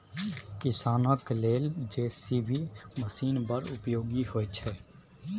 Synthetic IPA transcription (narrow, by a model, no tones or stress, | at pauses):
kɪsaːnəkleːld͡ʒeːsibʱiməsiːnpəɾʊpjoːɡiɦoːt͡ʃʰɛː